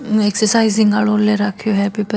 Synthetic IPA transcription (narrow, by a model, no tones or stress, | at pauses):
eksəɾsaizĩŋɡaɭolleɾakʰjoɦɛpipə